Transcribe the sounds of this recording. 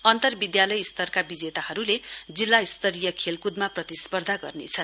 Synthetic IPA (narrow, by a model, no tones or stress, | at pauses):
ʌnt̪ʌrbid̪jalʌjist̪ʌrkabid͡zet̪ahʌɾuled͡zilːaist̪ʌɾijʌkʰelkud̪maprʌt̪ispʌrd̪ʱaɡʌrnḛt͡sʰʌn